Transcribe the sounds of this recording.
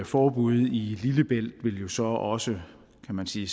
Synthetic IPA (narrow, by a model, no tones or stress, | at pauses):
fɒːb̥uð̞̰ˠililəb̥el̰d̥ʋe̝ljo̝sɒ̽ɒ̽sə | kʰæmænsiː